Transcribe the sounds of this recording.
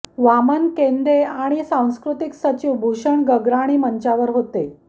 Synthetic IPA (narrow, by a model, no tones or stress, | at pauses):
ʋamənkend̪eaɽ̃isãw̃skɾut̪iksət͡ɕiwbʱuɕəɳɡəɡɾaɽ̃iməɲt͡ɕaʋəɾɦot̪e